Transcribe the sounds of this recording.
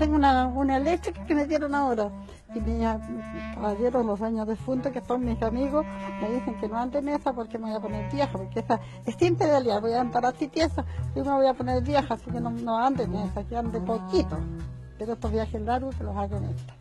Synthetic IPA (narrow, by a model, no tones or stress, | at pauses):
t̪eŋɡunaunaelek̚t̪ɾikḁkemeðjeɾonaoɾa | imiskaβaʝeɾozloðweɲoðefunt̪okesoŋmisamiɣosmeðiseŋkenoand̪enesapoɾkemeβojaponeɾbjexapoɾkeesa | ehsimpeðaljaɾβojaand̪aɾasit̪jesaomeβojaponeɾbjexasikenonoand̪enesakeand̪epokit̪o | peɾoeht̪oβjaxelaɾukelosaɣenḛt̪o̥